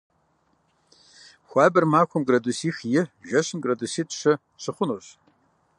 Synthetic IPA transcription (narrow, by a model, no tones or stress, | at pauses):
xʷɑːbɐrmaːxʷɔmɡrɐdusiːxjɪʒɐɕɪnɡrɐdusiːtʰʼɕɐ | ɕɨχʷʊnoːɕ